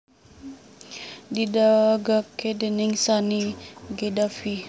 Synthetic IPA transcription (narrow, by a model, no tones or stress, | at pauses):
didaɡakedəniŋsaniɡedafi